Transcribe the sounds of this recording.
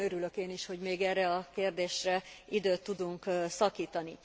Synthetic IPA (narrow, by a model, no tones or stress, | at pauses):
øɾylø̞keːniʃho̞ɟmeːɡɛrːɛɒkeːrd̪eːʃrɛid̪øːt̪ːud̪uŋkːsɒkiːt̪ɒni